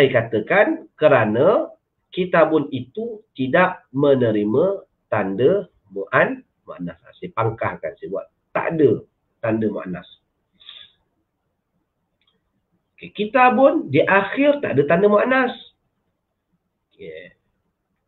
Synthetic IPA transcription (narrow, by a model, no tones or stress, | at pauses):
sajkat̪əkankəɾana | kit̪abʊnit̪ut̪idaʔmənəɾimə | t̪andə | muʔan | ma̰ʔna̰sa̰sajəpaŋkahka̰nsajəbua̰ʔ | t̪a̰ʔdə | t̪andəmuʔa̰na̰s | okekit̪abʊndiʔaxɪrt̪a̰ʔdət̪andəmaʔnas | ke